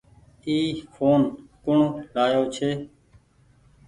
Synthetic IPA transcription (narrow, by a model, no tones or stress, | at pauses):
iːkʰoːnkʊɳlaːjoːt͡ʃʰeː